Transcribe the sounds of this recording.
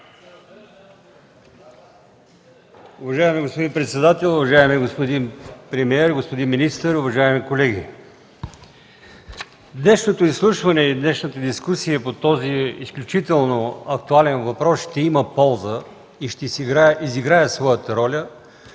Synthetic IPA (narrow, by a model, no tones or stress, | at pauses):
ʊvɐʒaɛmiɡospod̪inpɾɛt̪sɛd̪at̪ɛlˠʊvɐʒaɛmiɡospod̪inpɾɛmiɛɾɡospod̪inminist̪əɾʊvɐʒaɛmikolɛɡ̟ʲi | d̪nɛʃnot̪oislˠuʃvɐnɛid̪nɛʃnət̪əd̪iskusijəpot̪ɔziisklʲut͡ʃit̪ɛlˠnoɐkt̪ualɛnvɐpɾɔsʃt̪ɛiməpɔlˠzə | iʃt̪ɛiziɡɾaɛsvɔjət̪əɾɔlʲə